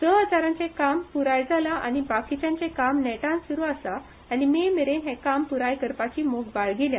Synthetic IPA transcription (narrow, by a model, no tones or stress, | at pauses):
d̪əɦəd͡zaɾãɲt͡sẽkampuɾajd͡zʱalaʔa̰ñibakit͡ɕãnt͡ɕẽkamnɛʈãnsuɾuasaː | nimemeɾenɦɛ̃kampuɾajkəɾpat͡ɕiːmoɡbaɭɡelja